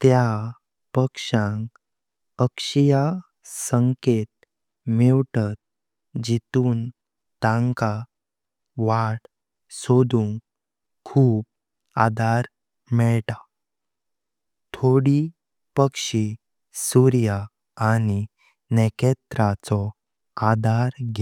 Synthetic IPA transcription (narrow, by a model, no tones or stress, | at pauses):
t̪ja | pəkʂãŋk | əkʂija | səŋket̪̚ | mɛʋʈat̪̚ | d͡ʑit̪uːn | t̪ãŋka | ʋaʈ | sod̪ʱuŋ | kʰuːp̚ | ad̪ʱaɾ | mɛɭt̪a | t̪ʰoɽi | pəkʂi | suɾjaː | ni | nɛket̪ɾat͡sɔ | ad̪ʱaɾɡɛ